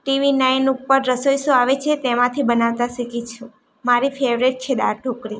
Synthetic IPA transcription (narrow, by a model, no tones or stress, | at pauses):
ʈiʋinajnupːəɾːəsojsoaʋet͡ʃʰet̪emãt̪ʰibənaʋt̪asikit͡ʃʰũ | maɾifeʋɾeʈ̚t͡ʃʰed̪aɾʈʰokɾi